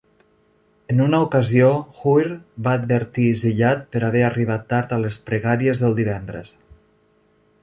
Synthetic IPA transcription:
ənunəukəzioxujɾbaːd̪̚bəɾt̪iziʎat̪̚pəɾaβɛəriβat̪ːaɾt̪aləspɾəɣaɾiəzðəlˠd̪iβɛnd̪ɾə̰s

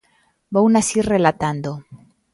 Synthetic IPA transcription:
bownasirelat̪and̪o

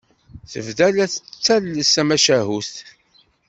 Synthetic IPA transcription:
θəvðælæθət͡sːælːəsæmæʃæɦust̪

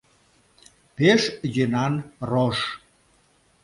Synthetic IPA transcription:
peʃjønɑnroʃ

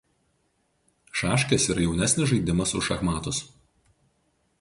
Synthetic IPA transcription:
ʃɑːʃʲkʲesiːɾɐjɛʊnʲæsʲnʲɪzʒɐɪd̪ʲɪmɐsʊʃɐxmɑːt̪ʊs

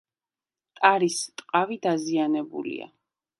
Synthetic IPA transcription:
t̪ʼaɾist̪ʼqʼavid̪azianɛbṵlḭa̰

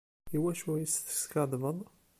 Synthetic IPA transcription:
iwæʃwæjəsθə̥skɑd̪ˤvəðˤ

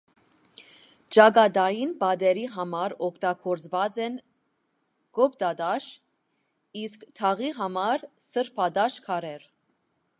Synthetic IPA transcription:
t͡ʃɑɡɑd̪ɑjinbɑd̪ɛɾiɦɑmɑɾɔkʰt̪ɑɡʰɔɾt͡svɑt͡sɛn | ɡ̥ɔpt̪ɑd̪ɑʃ | iskt̪ʰɑʁiɦɑmɑɾsəɾpʰɑd̪ɑʃkʰɑɾɛɾ

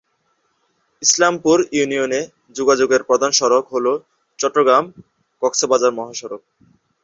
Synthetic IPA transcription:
islampuɾjunijone | d͡ʑuɡad͡ʑoɡeɾpɾɔd̪ʱanʃɔɾokɦolo | t͡ɕɔʈːɾoɡɾam | kɔksobad͡ʑaɾmɔɦaʃɔɾok̚

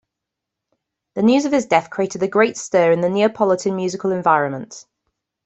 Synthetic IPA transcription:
ðənjʉːzəv̥ɪzdɛθkʰɹ̥ieɪtɪdəɡɹeɪtstɜːɹɪ̃nðənjɪəpʰɒlɪtʰə̃nmjʉːzɪkəlɛ̃ɱvaɪɹə̃nmə̃nt

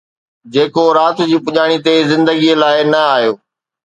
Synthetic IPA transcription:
d͡ʑeːkoɾaːt̪ʊd͡ʑiːpʊʄaːɽ̃it̪ezɪ̃nd̪əɡilaːɪnɐaːɦjoː

